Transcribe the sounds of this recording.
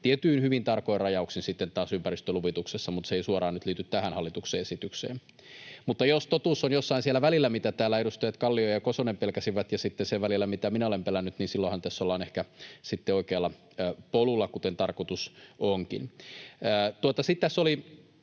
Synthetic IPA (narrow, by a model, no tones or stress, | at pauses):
t̪iet̪yːnhyʋint̪ɑrkoirɑjɑuksinsit̪ːent̪ɑːsympæɾist̪øluʋit̪uksesːɑmut̪seisuɑɾɑːnyt̪liːt̪yt̪t̪æhænhɑlːit̪ukseːesit̪yksḛːm | mut̪ːɑjost̪ot̪usːonjosːɑinsielæʋælilːæmit̪æt̪æːlːæeɾust̪ɑjɑt̪kɑlːiojɑkosonempelkæsiʋæt̪jɑsit̪ːeseʋʋælilːæmit̪æminæolempelænːyt̪niːnsilːohɑnt̪æsːolːɑːnehkæsit̪ːeoikelːɑː | polulːɑkut̪ent̪ɑrkot̪usoŋkḭnæːt̪uot̪ɑsit̪t̪ːæsoli